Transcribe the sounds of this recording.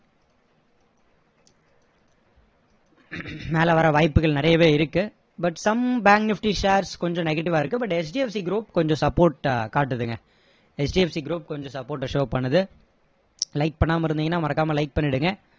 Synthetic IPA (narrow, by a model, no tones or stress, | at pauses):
meːlɐʋɐɾɐʋɐɪpːɯɣɐɭnɪɾɐjɐʋeːɪɾɯkːɯ | bɐʈsɐmbaːɡnɪfʈiʃeːɾskɔɲd͡ʒɔ̃nɛɣɐʈɪʋaːɪɾɯkːɯbɐʈɛt͡ʃɖiːɛfsiɡɾuːpkɔɲd͡ʒɔ̃sɐpːoːɾʈ̚kaːʈːɯðɯŋɡɐ | ɛt͡ʃɖiɛfsiɡɪɾuːp̚kɔɲd͡ʒɔ̃sɐpːoːɾʈːɐʂoːpɐɳːɐðɯ | lɐɪk̚pɐɳːaːmɐɪɾɯnd̪iːŋɡɐnːaːmɐɾɐkːaːmɐlɐɪk̚pɐɳːɪɽɯŋɡɐ